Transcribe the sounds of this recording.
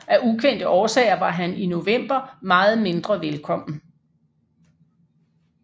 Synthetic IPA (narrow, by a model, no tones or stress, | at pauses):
æʔukʰen̰d̥əʔɒːsɛ̰ːɪɐʋɑ̈ɦænino̝ʋem̰b̥ɐmɑ̈ːð̞̩ˠme̝nd̥ʁɐʋelkʰɒ̽m̰n̩